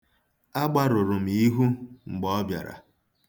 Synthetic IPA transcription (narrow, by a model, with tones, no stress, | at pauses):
a˦ɡ͡ba˦ɾʊ˨ɾʊ˨m̩˨i˦ɦu˦ŋ͡m̩˨ɡ͡bɔ˦bja̰˨ɾa̰˨